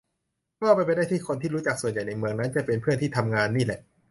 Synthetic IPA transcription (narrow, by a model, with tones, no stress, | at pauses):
kɔː˥˩pa˧jpa˧jda˥˩jt̪ʰiː˥˩kʰo˧nt̪ʰiː˥˩ɾuː˦˥t͡ɕa˨˩k̚su˨˩ənja˨˩jna˧jmɯ˧əŋna˦˥nt͡ɕa˨˩pe˧npʰɯ˥˩ənt̪ʰiː˥˩t̪ʰa˧mŋaː˧nːiː˥˩lɛ˨˩ʔ